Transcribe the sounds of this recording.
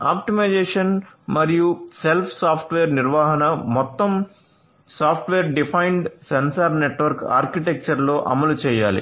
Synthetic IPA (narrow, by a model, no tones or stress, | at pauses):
aːp̚ʈimɐjd͡ʒeːʂɐnmɐɾijuselpʰsaːpʰʈʋeːɾniɾʋaːɦɐnɐmɔt̪ːɐm | saːpʰʈʋeːɾɖipʰɐjɳɖsensɐɾneʈʋɐɾka̰ːɾkiʈek̚t͡ʃɐɾlo̞ːʔɐ̰mɐlut͡ʃɛːjaːlḭ